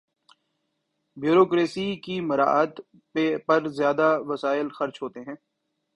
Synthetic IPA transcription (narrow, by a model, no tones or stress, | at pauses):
bjuːɾoːkɾeːsikimɐɾa̰ːət̪ | pɐɾzjaːd̪aʋɐsaːɪlxɐɾt͡ʃɦoːt̪eɦɛ̃ː